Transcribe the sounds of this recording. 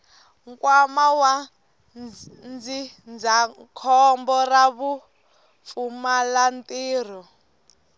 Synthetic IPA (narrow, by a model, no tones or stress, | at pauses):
ŋkʼwamawa | nd͡zi | nd͡zakʰɔmbɔraβu | fumalantʼiːr̤ɔ